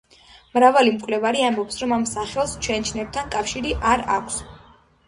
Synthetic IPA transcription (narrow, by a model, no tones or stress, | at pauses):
mɾavalimkʼvlɛvaɾiambɔpsɾɔmamsaχɛlˠst͡ʃʰwɛnt͡ʃʰnɛb̚t̪ʰankʼafʃiɾiʔaɾa̰kʷʰs